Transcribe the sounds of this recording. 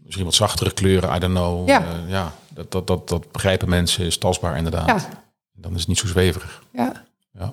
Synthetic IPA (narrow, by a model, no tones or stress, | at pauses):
mɪsχinʋɑtsɑχtərəkløːɾəa̰jdɔnowjaːdddɔt̚dɔtb̥əχrɛjpəmɛnsəɪstɑzbaːɹʔɪ̰ndəɹda̰ː | ɛndɔnɪsətnitsowzʋejvərəχ | ja